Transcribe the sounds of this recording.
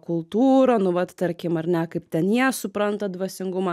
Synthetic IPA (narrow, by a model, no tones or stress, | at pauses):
kʊlˠt̪uːɾoːnʊʋɐt̪t̪ɐɾʲkʲɪmɐɾʲnʲɛkɐɪpt̪ʲɛnjiɛsʊpɾɐnt̪ɐd̪ʋɐsʲɪŋɡʊmɐ